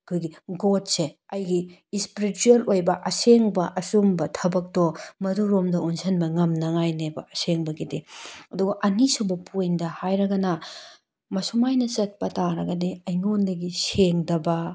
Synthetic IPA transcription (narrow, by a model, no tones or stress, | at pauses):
ɐkʰojɡiɡot̚seɐjɡiːspiɾituelojbɐʔɐseŋbɐʔɐsumbɐtʰɐbɐk̚tɔmɐduɾomdɐunsʰɐnbɐŋɐmnɐŋajnebɐ̰ɐseŋbɐɡideɐduɡɐʔɐnisubɐpʰojndɐhajɾɐɡɐnɐ | mɐsumajnɐt͡ʃɐt̚pɐtaɾɐɡɐdeɐjnondɐɡiseŋdɐbɐ